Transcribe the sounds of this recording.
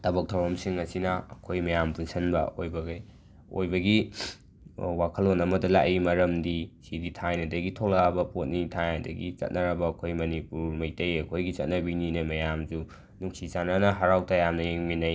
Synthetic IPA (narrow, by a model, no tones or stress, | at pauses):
tʰɐbɐk̚tʰɐwɾɐmsiŋːɐsinɐːkʰojmɐjampunsɐnbɐ̰ojbɐɡej | o̰jbɐɡi | wakʰɐlonɐmɐdɐla̰ʔimɐɾɐmdisiditʰajnɐdɐɡitʰok̚lɐabɐpot̚nitʰajnɐdɐ̰ɡḭt͡ʃɐ̰t̚nɐɾɐbɐːkʰojmɐnipuɾmɐjtɐjɐkʰojɡit͡ʃɐt̚nɐbininemɐjamd͡ʒu | nuŋsit͡ʃananɐɦaɾawtɐjamnɐjeŋminaj